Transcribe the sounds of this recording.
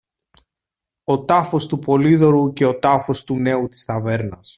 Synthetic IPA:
o̞t̪ɐfo̞st̪upo̞liðo̞ɾuce̞o̞t̪ɐfo̞st̪une̞ut̪i̥st̪ɐve̞ɾnɐs

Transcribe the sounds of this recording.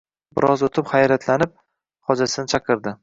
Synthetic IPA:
bɪɾʔɒzot̪ʰɪpχajɾat̪ʰlanɪp̚ | χɒd͡ʒasɪnɪt͡ʃʰɑqʰɨɾd̪ɪ

